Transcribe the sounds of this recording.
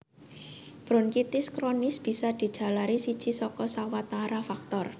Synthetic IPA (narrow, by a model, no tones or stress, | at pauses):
b̥ɾɔ̤nkit̪ɪskɾonɪsb̥i̤sad̪̥i̤d̥ʒ̥a̤laɾisid̥ʒ̥i̤sɔkɔsawat̪aɾafak̚t̪ɔr